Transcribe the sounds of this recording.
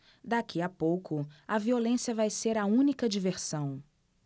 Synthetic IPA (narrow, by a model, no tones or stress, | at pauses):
d̪akʰiɐpowkʊɐviolẽsiɐvajseɾɐũnikɐd͡ʒiveɾsɐ̃w̃